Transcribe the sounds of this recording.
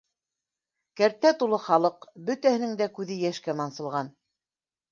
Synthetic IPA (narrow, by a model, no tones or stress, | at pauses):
kæɾt̪ːæt̪ulˠɤχɑlˠɤqbɵ̆t̪æhɘ̆nɘŋd̪ækʉðɘjæʃkæmɑnsɤ̆lˠʁɑn